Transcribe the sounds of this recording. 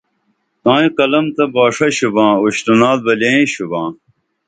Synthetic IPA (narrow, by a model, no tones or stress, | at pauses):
t̪ãːĩkɐlɐmt̪ɐbaːʂɐɕubãːuɕtunaːd̪̚bɐleĩɕubãː